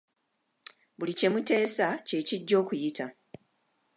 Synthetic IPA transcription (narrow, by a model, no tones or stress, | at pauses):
bulice̞mute̞ːsace̞ːciɟːo̞ːkujita